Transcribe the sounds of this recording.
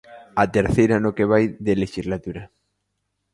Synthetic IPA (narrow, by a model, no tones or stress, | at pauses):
at̪eɾθejɾanokeβ̞ajðeleʃizlat̪uɾɐ